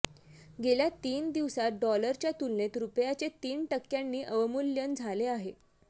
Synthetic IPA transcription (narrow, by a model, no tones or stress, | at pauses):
ɡeljat̪iːnd̪iʋsat̪̚ɖɔləɾt͡ɕjat̪ulnet̪ɾupjat͡set̪iːnʈəkːjanːiːʔəʋəmuljənd͡zʱaleaɦe